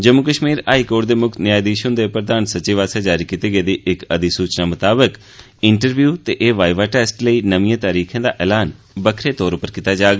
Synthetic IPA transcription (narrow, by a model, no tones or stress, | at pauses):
d͡ʒəmukəʃmiːɾaːiːkoːʈd̪eːmʊkʰt̪nɪjaːjd̪iːʃə̃nd̪eːpɾəd̪aːnsət͡ʃiːʋaːsaːd͡ʒaːɾiːkiːt̪iːɡəːd̪iːʔɪkəd̪iːsuːt͡ʃnaːmət̪aːbək | ɪɳʈəɾʋjuːt̪eːʔeːʋaːɪʋaːʈɛːsʈləiːnəʋɪãːt̪aːɾiːkʰẽːd̪aːʔɛːlaːn | bəkʰɾeːt̪ɔːɾʊpəɾkit̪aːd͡ʒaːɡ